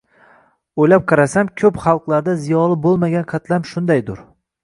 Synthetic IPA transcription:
ojlap̚qʰɑɾasamkʲʰɵpχɑlˠqlˠaɾd̪azijɒlˠɪbolˠmaɡʲanqʰɑt̪lamʃʊnd̪ajd̪ʊɾ

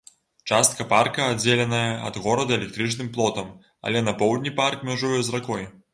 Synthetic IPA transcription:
t͡ʂast̪̚kɐparkɐːd͡zʲelʲɛnɐjɐɐ̰d̪ɣɔɾɐd̪ɐɛlʲɛk̚t̪ɾɨt͡ʂnɨmplˠɔt̪ɐm | ɐ̰lʲɛnɐpɔwd̪ʲnʲiparkmʲaʐujɛzrakɔj

